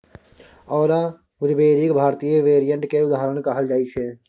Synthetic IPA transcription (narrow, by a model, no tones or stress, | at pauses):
ɔːɾa | ʋʊɾbeːɾikbʱaːɾt̪ijəʋeːɾijə̃ɳʈkeʊd̪aːɦɾəɳ̃kaɦəld͡ʒaːit͡ʃʰeː